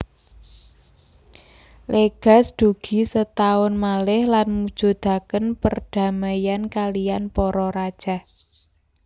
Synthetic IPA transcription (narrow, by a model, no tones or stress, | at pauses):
lʔeɡ̥a̤sd̪̥ṳɡ̥i̤sət̪aʊnmalɪhlanmud̥ʒ̥o̤d̪̥a̤kənpərd̥a̤majankalijanpɔɾɔɾad̥ʒ̥a̤h